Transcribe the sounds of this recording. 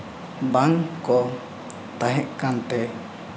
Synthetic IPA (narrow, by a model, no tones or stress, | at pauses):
baŋkɔ | t̪aɦɛʔkant̪ɛ